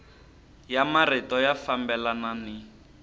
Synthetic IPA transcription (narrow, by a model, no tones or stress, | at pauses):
jamaritɔjafambɛlanani